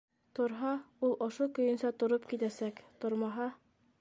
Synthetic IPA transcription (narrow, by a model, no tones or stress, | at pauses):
t̪ŏɾɦɑulˠŏʃokɵ̆jɵ̆nsɑt̪ŏɾopkit̪æsækt̪ŏɾmɑɦɑ